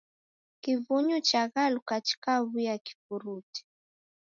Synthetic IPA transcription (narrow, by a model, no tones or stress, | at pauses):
kivuɲut͡ʃaɣalukat͡ʃi̥kaβujaki̥vuɾuti̥